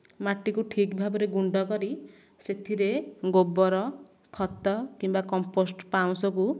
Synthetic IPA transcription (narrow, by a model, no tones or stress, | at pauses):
maʈːikuʈʰikbʱabɔɾeɡuɳɖɔkɔɾi | set̪ʰiɾeɡobɔɾɔ | kʰɔt̪ɔkimbakɔmposʈpaw̃sɔku